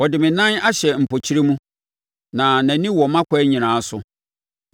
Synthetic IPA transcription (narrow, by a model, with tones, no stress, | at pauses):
wɔ˨dɪ˨mɪ̃˨nã˦na˦ɕɛ˨m̩˨pʰo˨t͡ɕʰi˦ɾe˦mũ˦ | nã˨næ̃˨nĩ˦wɔ˨mã˦kʷʰɔ˦ɲĩ˨nãː˨˦sʊ˨